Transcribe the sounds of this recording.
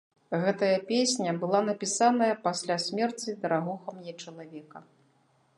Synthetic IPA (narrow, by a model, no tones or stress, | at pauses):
ɣɛt̪ɐjɐpʲesʲnʲɐbɨlˠanɐpʲisanɐjɐpasʲlʲasʲmʲɛrt͡sʲid̪ɐɾaɣɔxɐmnʲɛt͡ʂɐlˠavʲɛkɐ